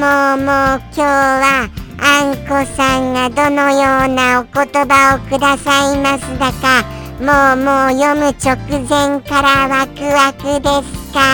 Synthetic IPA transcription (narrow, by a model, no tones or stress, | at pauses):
moːmoːkʲoːβaãŋko̞sãŋɡad̪o̞no̞jo̞ːnaoko̞t̪o̞baokɯ̟d̪asaimasɨd̪aka | moːmoːjo̞mɯ̟t͡ɕo̞kɯ̟zẽ̞ŋkaɾaβakɯ̟βakɯ̟d̪e̞sɨ̥ka